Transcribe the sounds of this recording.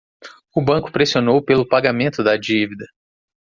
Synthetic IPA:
ʊbɐ̃kʊ̥pɾesionowpelʊpaɡamẽnt̪ʊd̪ɐd͡ʒivid̪ɐ

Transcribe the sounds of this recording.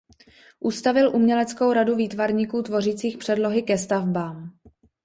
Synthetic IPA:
ʔust̪avɪlʔumɲɛlɛt͡sko̞wɾaduviːt̪vaɾɲiːkuːt̪vo̞riːt͡siːxpr̥ɛdlo̞ɦɪkɛst̪avbaːm

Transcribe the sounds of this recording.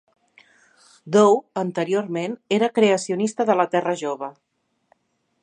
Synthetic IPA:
d̪owənt̪əɾioɾmeneɾəkɾeəsiunist̪əðələt̪ɛrəʒoβə

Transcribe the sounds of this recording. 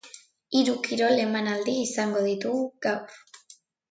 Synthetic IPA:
iɾukiɾo̞le̞manald̪iːsaŋɡo̞ðit̪uɣuɡawr

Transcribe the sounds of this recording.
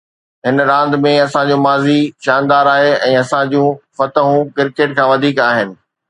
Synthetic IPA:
ɦɪnɾãːnd̪mẽɐsãɲd͡ʑũːmaːziʃaːnd̪aːɾaːɦeɛ̃ːɐsãd͡ʑũːfɐt̪əɦũkɪɾkeːʈkʰãːʋɐd̪ʱiːkaːɦɪnɪ̆

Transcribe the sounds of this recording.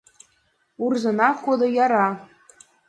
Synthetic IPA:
urzɤ̆nɑχod̪ɤ̆jɑɾɑ

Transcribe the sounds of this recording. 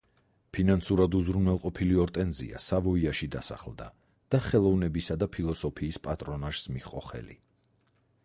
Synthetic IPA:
pʰinansuɾad̪uzɾunwɛlˠqʼɔpʰiliɔɾt̪ʼɛnzḭa̰savɔiaʃid̪asa̰χlˠd̪a̰ | d̪̥aχɛlˠɔvnɛbisad̪apʰilˠɔsɔpʰiːspʼat̪ʼɾɔnaʒ̥smiχʼɔχɛ̰lḭ

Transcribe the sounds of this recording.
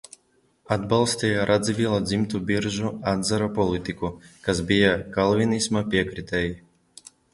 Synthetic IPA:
ad̪balˠsʲt̪ʲɛjaɾʔad̪zivʲilˠad̪zʲimt̪ubiɾʒuad̪zaɾapɔlˠit̪ikukasbijakalˠvinismapʲiɛkɾit̪ʲɛji

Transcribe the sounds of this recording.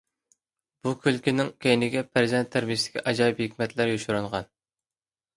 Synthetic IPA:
b̥ukʲʰylkʲinɪŋkʲejnɪɡʲɛpʰæɾzɛnt̪ʰːæɾmiʃt̪ɪ̥kʲʰiʔɑd͡ʒɑːjiphɪkʲmɛt̪læɾjoʃuɾuɴʁɑn

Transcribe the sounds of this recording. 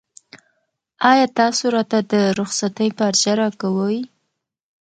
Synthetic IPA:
ɑjɑt̪ɑsoɾɑt̪ad̪əɾʊxsat̪əjpaɾd͡ʒaɾɑkawəj

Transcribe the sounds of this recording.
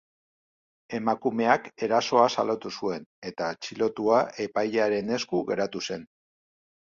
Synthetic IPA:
e̞makume̞ake̞ɾaso̞asalot̪usue̞ne̞t̪at͡ʃilo̞t̪uaʔe̞pajʎaɾe̞ne̞skuɣe̞ɾat̪use̞n

